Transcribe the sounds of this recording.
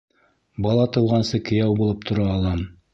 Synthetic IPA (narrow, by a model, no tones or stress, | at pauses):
bɑlˠɑt̪ɤ̆wʁɑnsɤkɘ̆jæwbulˠɤp̚t̪ʰŏɾɑːlˠɑm